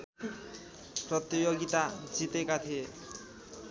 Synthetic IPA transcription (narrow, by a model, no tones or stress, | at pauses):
prʌt̪ijoɡit̪ad͡zit̪ekat̪ʰie